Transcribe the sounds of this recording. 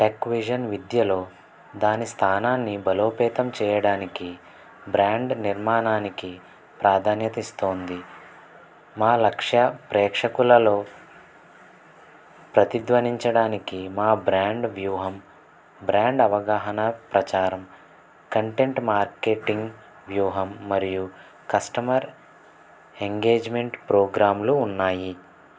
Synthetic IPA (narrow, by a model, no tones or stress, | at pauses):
ʈeːkʋid͡ʒɐnʋid̪jɐloː | d̪aːnist̪ʰaːnaːnːibɐlo̞ːpɛːt̪ɐmt͡ʃɛːjɐɽaːniki | bɾaːɳɖniɾmaːnaːniki | pɾaːd̪ʱaːnjɐt̪ɐist̪oːnd̪i | maːlɐkʂɐpɾɛːkʂɐkulɐlo̞ː | pɾɐt̪id̪ʋɐniɲt͡ʃɐɽaːnikimaːbɾaːɳɖʋjuːɦɐm | bɾaːɳɖɐʋɐɡaːɦɐnɐpɾɐt͡ʃaːɾɐm | kɐɳʈe̞ɳʈmaːɾkeʈiŋɡ | ʋjuːɦɐmːɐɾiju | kɐsʈɐmɐɾ | eŋɡe̞ːd͡ʒme̞ɳʈpɾoːɡɾaːmluːnːaːji